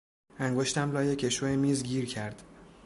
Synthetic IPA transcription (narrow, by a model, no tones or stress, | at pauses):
æŋɡoʃt̪æmlɒːjecʰe̞ʃoemiːzɡiːɾcʰæɾd̪̥